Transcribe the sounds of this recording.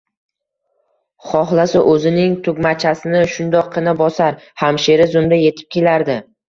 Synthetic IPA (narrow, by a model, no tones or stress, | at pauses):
χɒχlˠasɪʔɵzɪnɪŋt̪ʰʊɡʲmat͡ʃʰasɪnɪʃʊnd̪ɒqʰːɨnabɒsaɾhamʃe̞ɾɪzʊmd̪aje̞t̪ʰɪ̥p̚kʲʰe̞laɾd̪ɪ